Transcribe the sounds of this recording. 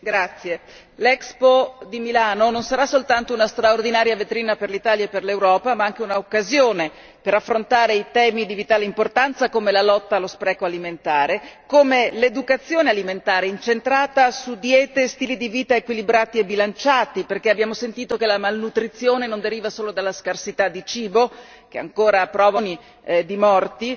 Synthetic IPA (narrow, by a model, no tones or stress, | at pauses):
ɡɾat̪sːje | lɛkspod̪imilaːnononsaɾasːolt̪ant̪ounast̪ɾaord̪inaːɾjavet̪ɾiːnaperlit̪aːljaepːerlewɾɔːpamaaŋk̟eunaokːazjoːne | peɾafːɾont̪aːɾeit̪ɛːmid̪ivit̪aːlimport̪ant̪sakomelalɔt̪ːaːlːospɾɛːkoaliment̪aːɾekomeled̪ukat̪sːjoːnealiment̪aːɾeint͡ʃent̪ɾaːt̪asud̪jɛːt̪est̪iːlid̪iviːt̪aekwilibɾaːt̪iebːilant͡ʃaːt̪iperk̟eabːjaːmosent̪iːt̪okelamalnut̪ɾit̪sjoːnenond̪eɾiːvasoːlod̪alːaskarsit̪ad̪ːit͡ʃiːbo | k̟ea̰ŋkoːɾapɾɔːvani | d̪imɔrt̪i